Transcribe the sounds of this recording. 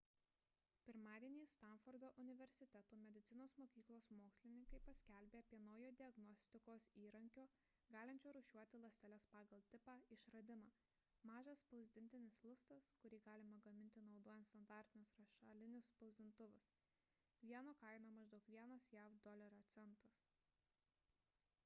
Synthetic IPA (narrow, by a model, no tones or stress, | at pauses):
pʲɪɾmɑːd̪ʲiɛnʲiːst̪ɑˑnfɔɾd̪oːʔʊnʲɪʋʲɛɾʲsʲɪt̪ʲɛt̪uːmʲɛd̪ʲɪt̪sʲɪnoːsmoːkʲiːklˠoːsmoːksʲlʲɪnʲɪŋkɐɪpɐsʲkʲælʲbʲeːɐpʲiɛnɐʊjoːd̪ʲɪɐɡnɔsʲt̪ʲɪkoːsiːɾɐŋʲkʲoː | ɡɑːlʲɪnʲt͡ʃʲoːɾʊʃʲuɔt̪ʲɪlˠɐsʲt̪ʲɛlʲɛspɑːɡɐlˠt̪ʲɪpɑːɪʃɾɐd̪ʲɪmɑː | mɑːʒɐspɐʊzʲd̪ʲɪnʲt̪ʲɪnʲɪslˠʊst̪ɐskʊɾʲiːɡɑːlʲɪmɐɡɐmʲɪnʲt̪ʲɪnɒʊd̪oːjɛnt̪st̪ɐnd̪ɑːɾʲt̪ʲɪnʲʊsɾɐʃɑːlʲɪnʲʊspɐʊzʲd̪ʲɪnt̪ʊʋʲʊs | ʋʲiɛnoːkɐɪnoːmɐʒd̪ɐʊkʋʲiɛnɐsjæfd̪ɔlʲɛɾoːt̪sʲɛnt̪ɐs